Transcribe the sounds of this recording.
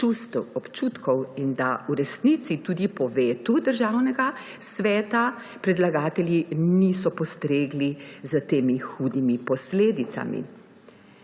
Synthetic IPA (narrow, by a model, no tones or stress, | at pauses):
t͡ʃust̪ɔpt͡ʃut̪kʰɔwind̪auɾɛsnit̪sit̪uːd̪ipɔʋeːt̪ud̪əɾʒawnɛɡa | sʋɛːt̪a | pɾɛd̪laɡaːt̪ɛljinisɔpɔst̪ɾeːɡlizət̪eːmixuːd̪imipɔsleːd̪it̪sa̰mḭ